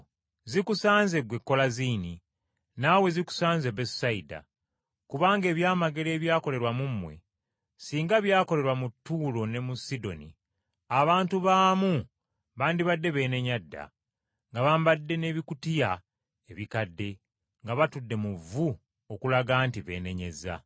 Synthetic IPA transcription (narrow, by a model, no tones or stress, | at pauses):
zikusaːnze̞ɡwe̞kːo̞laziːni | nawe̞ziku̥saːnzebessaida̰ | kuβaːŋɡe̞ːβjaːmaɡe̞ɾe̞ːβjaːko̞le̞ɾwamumːwe̞̰ | siːŋɡaβjaːko̞le̞ɾwamutːuːlo̞ne̞musido̞̰nḭ | aβaːntuβaːmu | βaːndiβadːe̞βe̞ːne̞ɲadːa̰ | ŋɡaβaːmbadːe̞ne̞ːβikutija | eβikadːe̞ | ŋɡaβatudːe̞muvu | okulaɡaːntiβe̞̰ːne̞ɲe̞̰za̰